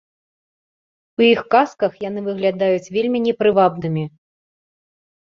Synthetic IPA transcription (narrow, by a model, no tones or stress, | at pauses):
wjixkaskɐxjanɨvɨɣlʲad̪ajut͡sʲvʲelʲmʲinʲɛpɾɨvabnɨmʲi